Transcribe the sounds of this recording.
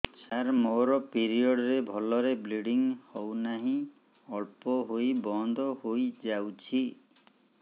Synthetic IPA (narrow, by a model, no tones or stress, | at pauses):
saɾmoɾɔpiɾiɔɽɔɾebʱɔlɔɾebliɽiŋhɔwnaɦĩ | ɔɭpɔɦojbɔnd̪ʱɔhojd͡ʒawt͡ʃʰi